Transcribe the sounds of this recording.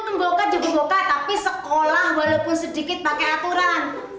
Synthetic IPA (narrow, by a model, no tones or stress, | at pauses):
nəŋɡokad͡ʒuɡaɡokat̪apisəkolahwalawpʊnsədikɪt̪̚pakɛat̪uɾan